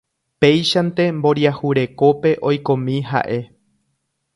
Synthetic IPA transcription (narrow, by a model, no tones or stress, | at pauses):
pe̞jʃant̪e̞mbo̞ɾjahuɾe̞ko̞pe̞ʔo̞jkõ̞mĩɦa̰ʔe̞